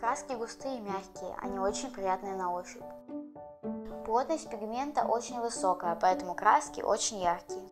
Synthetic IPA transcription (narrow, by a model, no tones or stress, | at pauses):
kɾaskʲɪɡʊst̪ɨjəmʲaxʲkʲɪjə̰ʔɐ̰nʲio̞t͡ɕɪnʲpɾʲɪjat̪nɨjənɐoɕʲɪpʲ | plˠot̪nəsʲt̪̚ʲpʲɪɡmʲe̞nt̪ə̰ʔot͡ɕɪnʲvɨso̞kəjəpɐɛt̪əmʊkɾaskʲɪ̰ʔo̰t͡ɕɪnʲjaxkʲɪjə